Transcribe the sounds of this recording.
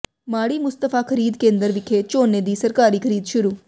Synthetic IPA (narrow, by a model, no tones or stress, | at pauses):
maːɽiːmʊst̪əfʰaːkʰəɾiːd̪kẽːnd̪əɾʋɪkʰeːt͡ʃoːneːd̪iːsəɾkaːɾiːkʰəɾiːd̪ʃʊɾuː